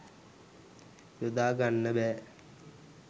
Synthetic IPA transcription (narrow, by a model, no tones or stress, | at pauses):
jod̪aːɡanːəbɛː